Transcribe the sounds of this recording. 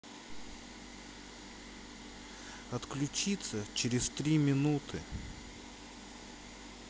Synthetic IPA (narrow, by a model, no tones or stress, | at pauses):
ɐt̪klʲʉt͡ɕit̪sət͡ɕɪɾʲɪst̪ɾʲimʲɪnut̪ʰɨ